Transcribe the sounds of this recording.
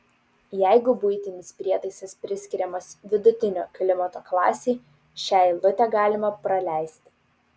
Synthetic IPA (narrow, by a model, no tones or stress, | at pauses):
jæɪɡʊbʊɪt̪ʲɪnʲɪspʲɾʲiɛt̪ɐɪsɐspʲɾʲɪsʲkʲɪɾʲɛmɐsʋʲɪd̪ʊt̪ʲɪnʲoːklʲɪmɐt̪oːklˠɑ̰ːsʲɛɪ | ʃʲæˑɪlˠʊt̪ʲɛɡɑːlʲɪmɐpɾɐlʲæɪsʲt̪ʲ